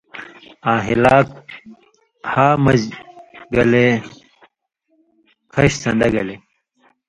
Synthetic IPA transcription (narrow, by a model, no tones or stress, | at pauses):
ãːɦilaːk̚ | haːmɐd͡ʑɡɐle | kʰɐɕsɐ̰nd̪ɐɡɐle